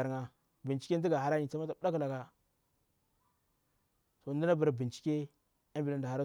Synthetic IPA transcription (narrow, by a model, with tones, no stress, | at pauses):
a˨ɾŋa˨ | bi˨nt͡ʃi˦kʲe˦n˦di˦ɡa˨ɦa˦ɾa˦ɲi˨t͡sa˦ma˦ta˨˦da˦kla˨ɡa˨ | so˨ndi˦na˦ba˨ɾbi˨nt͡ʃi̥˦kʲe˦ | a˦mbi˨la˦nda˨ha˨ɾa˦